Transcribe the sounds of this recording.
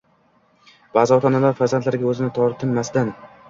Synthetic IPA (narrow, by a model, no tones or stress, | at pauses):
b̥aːzɪɒt̪ʰɒnalaɾfaɾzant̪laɾɪɡʲaɵzɪnɪt̪ʰɒɾt̪ʰɪnmast̪an